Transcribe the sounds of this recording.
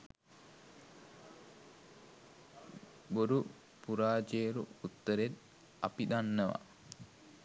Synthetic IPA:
boɾu | puɾaːd͡ʒeːɾuut̪ːəɾet̪ | a̰piɗ̪anːəʋa̰

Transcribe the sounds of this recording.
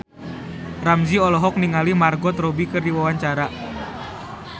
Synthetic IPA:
ramd͡ʒiɔlɔɦɔk̚niŋalimarɡɔt̪ɾobikɨrdiwawaɲt͡ʃaɾa

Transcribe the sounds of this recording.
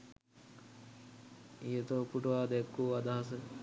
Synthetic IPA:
ijət̪opuʈuʋaːd̪kːuːad̪aɦas̬ə

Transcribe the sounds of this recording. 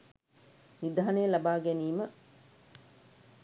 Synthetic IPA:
nid̪aɦɐnejːlɐbaːɡeniːmə

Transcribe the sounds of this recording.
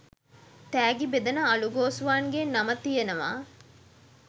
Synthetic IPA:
t̪æːɡibed̪ɐnɐɐluɡoːsuʋaːnɡenːɐmɐt̪ijenɐʋa̰ː

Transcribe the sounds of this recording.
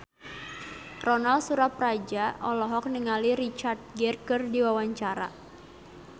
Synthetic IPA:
rɔnalsuɾaprad͡ʒaʔɔlɔɦɔk̚niŋaliɾit͡ʃart̪̚ɡɛrkɨrdiwawaɲt͡ʃaɾa̰

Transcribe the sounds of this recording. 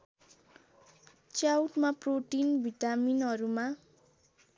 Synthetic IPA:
t͡sjawʈmaproʈinbʱiʈaminɦʌɾuma

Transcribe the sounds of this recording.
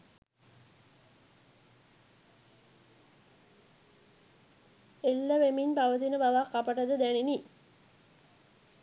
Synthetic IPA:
elːəʋeminpaʋət̪inəbaʋakːapəʈəd̪əd̪ænini

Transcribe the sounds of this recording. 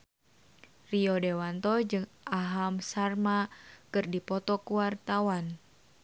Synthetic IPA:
riɔdewant̪ɔd͡ʒɨŋʔaɦamsarmakɨrdipɔt̪ɔkuwart̪awan

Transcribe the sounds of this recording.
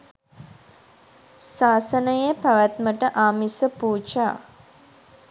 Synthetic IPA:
saːsənəjepaʋæt̪məʈəʔaːmisəpuːt͡ʃa̰ː

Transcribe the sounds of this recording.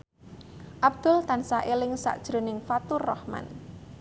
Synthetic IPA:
ʔab̚d̪̥ʊ̤lt̪ansaʔelɪŋsa̰ʔd̥ʒ̥ɾo̤nɪŋfat̪urːɔhma̰n

